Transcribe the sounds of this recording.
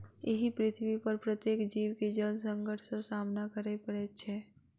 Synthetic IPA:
eɦipɾɪt̪ʰwipəɾpɾət̪jeːkd͡ʒiːwked͡ʒəlsə̃ŋɡəʈʰsẽsaːmnakəɾepəɽɛt͡ʃʰɛː

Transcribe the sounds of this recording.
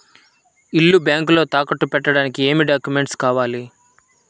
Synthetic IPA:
ilːubjaːŋk̬lo̞ːt̪aːkɐʈːupɛʈːɐɽaːnikie̞ːmiɖaːkjume̞ɳʈskaːʋaːli

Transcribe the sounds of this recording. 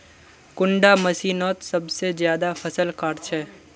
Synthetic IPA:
kʊ̃ɳɖamɐsiːnɔːt̪sɐbsezjaːd̪afʰɐsəlkaːɾt͡ʃʰɛː

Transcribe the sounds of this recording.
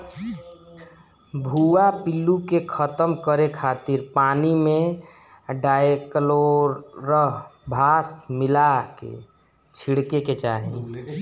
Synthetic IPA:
bʱuapilukekʰət̪əmkəɾekʰat̪iɾpaːnimẽ | ɖajekloɾːəɦbʱaːsmilakḛ | t͡ʃʰiɽkeket͡ʃaɦẽ

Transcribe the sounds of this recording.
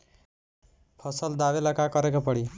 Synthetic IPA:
pʰʌsʌld̪aβelakakʌɾekapʌɽi

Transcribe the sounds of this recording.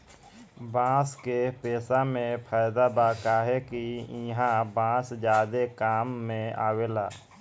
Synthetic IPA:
bãːskepeːsamẽpʰaːjd̪abaːkaːɦekiɦãbãːsd͡ʒjaːd̪ekaːmːẽa̰ːwelaː

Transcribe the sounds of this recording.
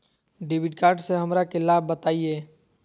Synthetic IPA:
ɖɪʋɪɖkaːɾɖseɦɐmɾakelaːbːət̪aːieː

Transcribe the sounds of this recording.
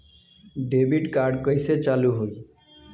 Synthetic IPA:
ɖebiʈkaɾɖkʌjset͡ʃaluɦuj

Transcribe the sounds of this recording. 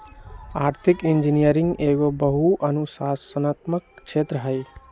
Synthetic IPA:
aɾt̪ʰikind͡ʒinijəɾiŋɡeɡobəɦuʔənusasənat̪mək̚t͡ʃʰet̪ɾəɦəj

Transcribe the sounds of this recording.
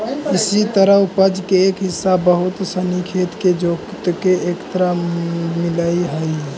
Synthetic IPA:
ɪsit̪əɾəupəd͡ʒkeːkɦɪsːabəɦut̪sənikʰet̪ked͡ʒokt̪keʔekt̪əɾamɪləiɦəj

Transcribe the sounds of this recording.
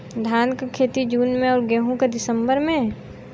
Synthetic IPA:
d̪ʱaːnkakʰeːt̪id͡ʒuːnmẽɔːɾɡɛːɦũked̪ɪsəmbəɾmẽ

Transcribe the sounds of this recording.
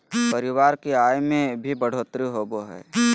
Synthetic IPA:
pəɾɪwaːɾkiaːjmẽbʱibɐɽ̤oːt̪ɾiɦoːboɦɛ̰ː

